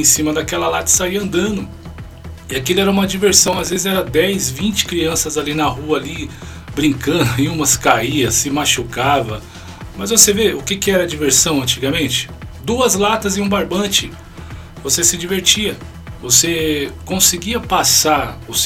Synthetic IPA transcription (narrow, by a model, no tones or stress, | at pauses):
ẽsĩmɐd̪akɛlɐlat̪ɐ̥saiɐɐ̃nd̪ɐ̃nd̪ʊ | ɪakilɛɾɐũmɐd͡ʒiveɾsɐ̃w̃azvezɪɛɾɐd̪ɛjzvĩnt͡ʃɪ̥kɾiɐ̃sɐzalinɐhuɐːli | bɾĩkɐ̃d̪ʊɪũmɐskaiɐsɪmaʃukavɐ̰ | mɐzvoseveʊkɪkɪɛɾɐd͡ʒiveɾsɐ̃w̃ɐ̃nt͡ʃiɡɐmẽt͡ʃɪ̥d̪uɐzlat̪ɐzɪũbaɾbɐ̃t͡ʃɪ | vosesɪd͡ʒiveɾt͡ʃiɐ | vosekõsɪɡiɐpasaɾʊs